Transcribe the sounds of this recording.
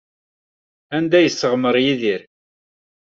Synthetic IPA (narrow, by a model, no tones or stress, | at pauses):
ænd̪æjəsːəʁməɾˤjiðiɾ